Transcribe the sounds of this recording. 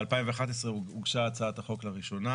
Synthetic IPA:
alpaimveaχat̪esʁeuɡʃat͡saːt̪aχo̞klaʁiʃo̞na

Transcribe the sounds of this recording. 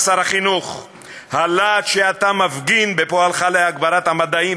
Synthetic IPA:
saɾaχinuχ | halatʃeat̪amavɡinbepoalχaleaɡbaɾat̪hamad̪ai

